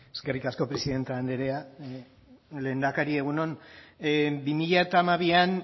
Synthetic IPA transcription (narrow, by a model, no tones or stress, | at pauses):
eske̞rikasko̞pɾe̞siðe̞nt̪eand̪eɾe̞a | le̞ːnd̪akaɾie̞ɣ̞unon | bimiʎaet̪aːmaβ̞ian